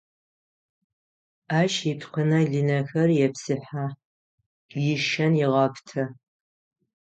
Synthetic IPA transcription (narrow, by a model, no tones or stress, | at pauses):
aːʃitʰqʷʰənɐɮinɐxɐrjɛpsɨħa | jɪʃɐnjɪʁɐpʰtʰɐ